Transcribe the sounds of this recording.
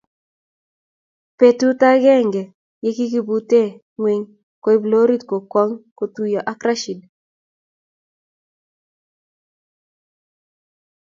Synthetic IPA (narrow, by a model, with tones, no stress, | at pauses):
pe˨tu˦ta˦ɡɛ˦ŋɡɛ˨ | je˦ki˦ki˦bu˦te˦˨ | ŋwe˨ŋ | ko˦i˦blo˦ɾi˦tko˨kɔ˦ŋko˨t̪u˦jɔ˨ʔa˦kɾa˦ʃi˨d